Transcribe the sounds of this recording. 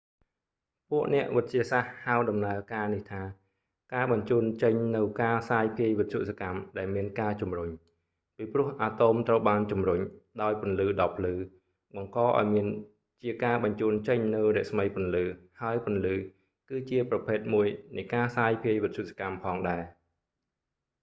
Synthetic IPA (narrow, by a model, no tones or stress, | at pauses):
puəʔnɛ̆əʔʋɨt̪̚t͡ɕiəsahhːaɔɗɑmnaəkaːniht̪ʰaː | kaːɓɑɲt͡ɕuːnt͡ɕəɲnɨwkaːsaːjpʰiəjʋɨt̪̚ʰjuʔsakamɗaɛlmiənkaːt͡ɕumruɲ | piːprʊ̆əhʔaːt̪oːmt̪rəwɓaːnt͡ɕumruɲɗaɔjpʊ̆ənlɨːɗɑpʰlɨː | ɓɑŋkɑːʔa̰ɔjmiən | t͡ɕiəkaːɓɑɲt͡ɕuːnt͡ɕəɲnɨwrɛ̆əʔsməjpʊ̆ənlɨːhaəjpŏənlɨː | kɨːt͡ɕiəprɑpʰeːt̪̚muəjnɨjkaːsaːjpʰiəjʋɨt̪̚ʰt͡ɕjuʔsakampʰɑːŋɗaɛ